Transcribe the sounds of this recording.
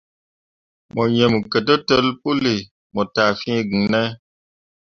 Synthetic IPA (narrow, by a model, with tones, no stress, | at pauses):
mɔ˨ɲə˨m˨kə˨t̬ə˦tə˦lpu˦li˨ | mɔ˨ta˨fĩ˦ɡi˨ŋnɛ˦